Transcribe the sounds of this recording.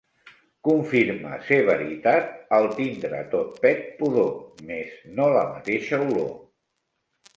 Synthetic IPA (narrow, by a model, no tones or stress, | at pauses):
kuɱfiɾmə̰seβəɾit̪at̪əlˠt̪ind̪ɾə̰t̪ot̪̚pɛt̪̚puðomeznolə̰mət̪eʃəulo̰